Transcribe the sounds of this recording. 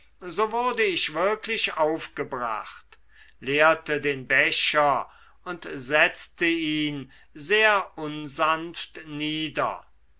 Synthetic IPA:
zoːvʊɐdəɪʃv̥ɪɐklɪʃaʊfɡ̥əbʁa̰χt | leːɐtədeːnbɛʃɐ | ʊntzɛt͡stəiːn | zeːɐʔʊnzanftniːdɐ̰

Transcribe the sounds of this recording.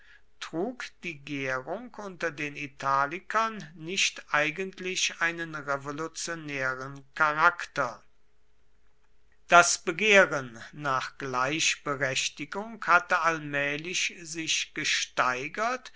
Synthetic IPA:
tʁ̥uːkd̥iːɡeːʁʊŋkʔʊntɐdeːnitʰaːlɪkɐnːɪʃtʔaɪɡəntʰlɪɕaɪnənʁevolut͡sjonɛːʁənkaʁaktɐ | d̥asb̥əɡeːʁənːaːχɡ̥laɪʃb̥əʁɛʃtɪɡʊŋkhatəalmɛːlɪʃzɪʃɡ̥əʃtaɪɡɐt

